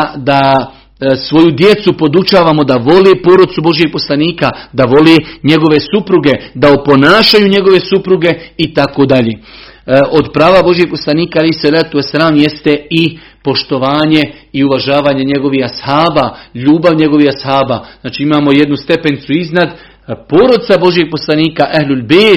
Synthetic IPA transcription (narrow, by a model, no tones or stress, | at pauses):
d̪a | sʋo̞jud̪je̞t̪supo̞d̪ut͡ʃaːʋamo̞d̪aʋo̞leːpo̞ːɾosubo̞ʒjeɡ̚po̞slˠaniːkad̪aʋo̞leɲe̞ɡo̞ʋe̞supɾuɡe̞d̪aopo̞naːʃajuɲe̞ɡo̞ʋe̞supɾuɡe̞it̪ako̞d̪aʎeː | ʔo̞d̪pɾaːʋabo̞ʒjeɡ̚po̞slˠaniːkaalejhsalaːt̪uwasalaːmjest̪e̞i | po̞ʃt̪o̞ʋaːɲe̞ | iuʋaʒaːʋaːɲe̞ɲe̞ɡo̞ʋihashaːbaːʎuːbaʋɲe̞ɡo̞ʋihashaːbaːznaːt͡ʃiimaːmo̞jed̪nust̪e̞pe̞nt̪suiznad̪ | poːɾod̪tsabo̞ʒjeɡ̚po̞slˠaniːkaʔaɦlulbeː